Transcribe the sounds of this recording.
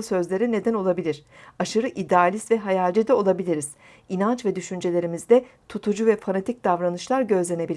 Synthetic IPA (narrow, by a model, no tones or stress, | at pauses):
sø̞zlʲe̞ɾine̞d̪æno̞lˠabilʲiɾ̥ | aʃɯɾɯʔid̪ɛalʲist̪vɛɦajalʲd͡ʒid̪ɛo̞lˠabilʲiɾiz̥ | inant͡ʃvɛd̪yʃynd͡ʒe̞lʲe̞ɾimizd̪ɛt̪ʰut̪ʰud͡ʒuvɛfanat̪ʰic̚d̪̥avɾanɯʃlˠaɾɟø̞zlʲe̞ne̞bilʲ